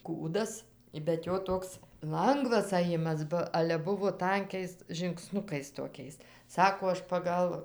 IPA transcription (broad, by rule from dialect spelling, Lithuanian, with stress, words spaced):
ˈkuːdɐs bʲɛt ˈjoː ˈtoːks ˈlˠɐŋɡʋɐs ɐˈjɪmɐs ˈbɐ ˈɑːlʲɛ ˈbʊʋoː ˈtɐŋʲkʲɛɪs ʒʲɪŋkˈsnʊkɐɪs toːˈkʲɛɪs ˈsɑːkoː ˈɐʃ pɐˈɡɐlˠ